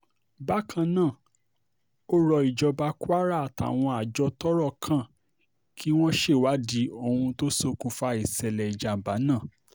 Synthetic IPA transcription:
ba˦kʰã˧nãː˦˨ | o˦ɾɔ˧i˨d͡ʒɔ˧ba˧kwa˦ɾa˦a˨ta̰˨w̃ɔ̃˧a˨d͡ʒɔ˧tɔ˦ɾɔ˦˨kʰã˦˨ | kʰi˦w̃ɔ̃˦ʃe˦˨wa˨˦di˨˦o˧˨hũ˧to˦so˦˧kũ˧fa˧˦i˨sɛ˨lɛ˨i˨d͡ʒa˨m̩˨ba˨˦nãː˦˨

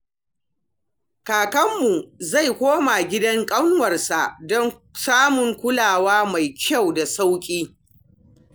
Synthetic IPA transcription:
kaː˨kɐ˦mːu˨za˦˨jkʷoː˦ma˨ɡʲɪ˦dɐ˦ŋkʼɐ˦wn˦wɐ˨rsa˨ʔdɔ˦ŋ | saː˦mʊ˨ŋkʷʊ˦laː˨waː˦ma˨jkʲʰa˦˨wda˨sa˦wkʲʼiː˦

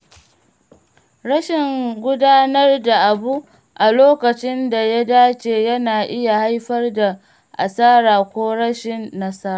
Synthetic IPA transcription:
ɽɐ˦ʃɪ˨ŋɡʷʊ˦daː˦nɐ˦rda˨ʔa˨bu˦ | ʔa˨loː˦kɐ˨t͡ʃɪ˦nda˨ja˦daː˦t͡ʃeː˨jɐ˦naː˨ʔɪ˦ja˨ha˦jɸɐ˦rda˨ | ʔa̰˨saː˦ɾaː˨kʷoː˦ɽɐ˦ʃɪ˨nːɐ˦sɐ˦ɾa˨

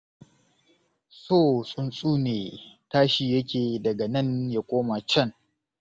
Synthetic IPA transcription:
soː˦˨sʼʊ˦nsʼuː˦neː˨taː˦ʃiː˨jɐ˦kʲeː˨dɐ˨ɡa˨nɐ˦nja˨kʷʼoː˦ma˨t͡ʃɐ˦ŋ

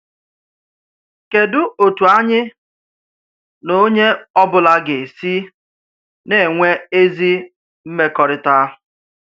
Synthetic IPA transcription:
ke˨dʊ˦o˨tu˨a˦ɲɪ˦ | no˦ɲe˦ɔ˦bʊ˨la˦ɡe˨si˦ | ne˨ŋʷe˦e˦zi˦ | m̩˦me˦kɔ˨ɾɪ˨ta˦

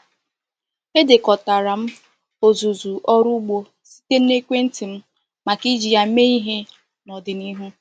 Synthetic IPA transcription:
e˦de˨kɔ˨ta˨ɾa˨m̩˦ | o˨zu˨zu˨ʔɔ˦ɾu˦ɡ͡bo˦ | si̥˦te˦n˦e˦kʷe˦n̩˦tɪ˨m̩˦ | ma˨ki˦d͡ʒi˨ja˦me˦i˦ɦe˦ | nɔ˨dɪ˨ni˦ɦu˦

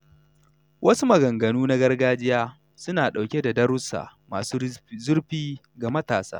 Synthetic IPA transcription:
wʔɐ˦su˦mɐ˨ɡɐ˨ŋɡɐ˨nuː˦na˦ɡɐ˦rɡaː˦d͡ʒɪ˦jaː˦ | sʊ˦naː˨ɗa˨wkʲe˦da˨dɐ˦ɾʊ˦sa̰ː˨maː˨su˦zʊ˦ɾɸiː˦ | ɡa˨mɐ˦taː˨sa̰ː˦

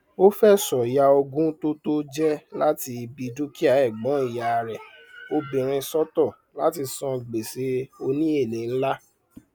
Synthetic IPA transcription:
o˦fɛ˦˨sɔ˨ja˧o˧ɡũ˦to˦to˦d͡ʒɛ˦la˦ti˧i˧bi˧du˦ki˦a˨˦ɛ˦˨ɡ͡bɔ̃˨˦i˦˨ja˨˧ɾɛ˨o˧bĩ˨ɾ̃ĩ˧sɔ˦tɔ˦˨ | la˦ti˧sɔ̃˧˨ɡ͡be˨se˧o˧nĩ˦e˦˨nĩ˨n̩˦la˦

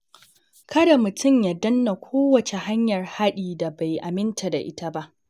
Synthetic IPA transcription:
kʰɐ˦da˨mʊ˨tʰʊ˦˨mja˦dɐ˦nːa˨kʷʰoː˦wɐ˨t͡ʃe˨ha˦ɲjɐ˨rha˦ɗiː˨da˨ba˨jʔa˨mɪ˦ntʰa˨da̰˨ʔɪ˦ta˦ba˦ʔ

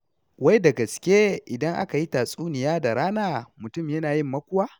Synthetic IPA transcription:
wɐ˦jda˨ɡɐ˨skʲeː˦ʔɪ˨dɐ˦ŋʔa̰˦ka˨ji˦taː˨sʼuː˦nɪ˨jaː˦da˨ɾaː˦naː˦mʊ˨tʊ˦mjɐ˦naː˨jɪ˦mːɐ˦kʷʊ˦waː˦

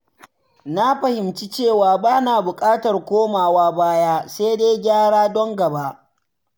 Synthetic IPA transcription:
na˦ɸɐ˨hɪ˨mt͡ʃi˦t͡ʃeː˦˨waː˨baː˦naː˨bʊ˨kʼaː˦tɐ˨rkʷoː˦maː˨waː˦baː˦jaː˦se˦de˦jɡʲaː˦ɽaː˦dɔ˦ŋɡɐ˨ba˦ʔ

